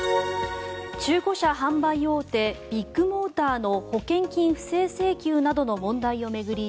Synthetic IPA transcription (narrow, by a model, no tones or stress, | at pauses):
t͡ɕɨːko̞ɕahãmbaijo̞ːt̪e̞b̥ʲikːɯ̟mo̞ːt̪aːno̞ho̞kẽ̞ŋkʲĩɰ̃ɸɯ̟̥se̞ːse̞ːkʲɨːnad̪o̞no̞mõ̞nd̪aio̞me̞ɡɯ̟ɾʲi